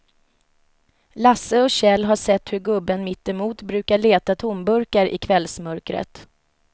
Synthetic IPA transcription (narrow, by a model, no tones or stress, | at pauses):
lasːəɔɕɛlːɦaʂɛt̪ːhɵɾɡɵbːənmɪt̪ːɛmuːt̪bɾʉ̟ːkaɭeːt̪at̪ʰʊmbɵɾkaɾʔɪ̰kʰvɛlsmœɾkɾə̰t̪